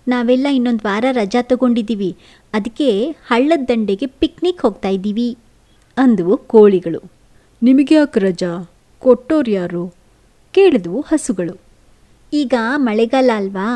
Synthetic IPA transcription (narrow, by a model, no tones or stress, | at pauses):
naːʋɛlːɐinːo̞nd̪ʋaːɾɐɾɐd͡ʒat̪ɐɡo̞ɳɖid̪ːiːʋi | ɐd̪ɐkːe̞hɐɭːɐd̪ːɐɳɖeɡe̞piknikhoːɡ̚t̪aːjid̪iːʋi | ɐnd̪ɐʋukoːɭiɡɐɭu | nimɐɡejaːkɾɐd͡ʒaː | koʈːoːɾjaːɾu | ke̞ːɭid̪ɐʋuhɐsuɡɐɭu | iːɡɐmɐɭɛɡɐlːɐːlʋa